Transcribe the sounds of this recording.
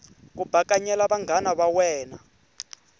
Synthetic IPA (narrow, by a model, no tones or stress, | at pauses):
k̬ubʱakʼaɲɛlaβaŋɡʱanaβawɛːna